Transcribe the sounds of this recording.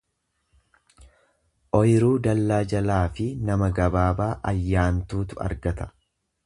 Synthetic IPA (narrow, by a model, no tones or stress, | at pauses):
ʔɔjɪɾuːd̪ɐlːaːd͡ʒɐlaːfɪnɐmɐɡɐbaːbaːʔɐjːaːnt̪uːt̪ʊɐ̰ɾɡɐt̪ɐ̥